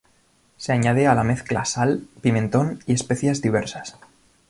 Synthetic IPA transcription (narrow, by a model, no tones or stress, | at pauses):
se̞aɲaðealame̞θkla̰salpimẽ̞nt̪o̞nie̞spe̞θjazðiβ̞e̞ɾsḁs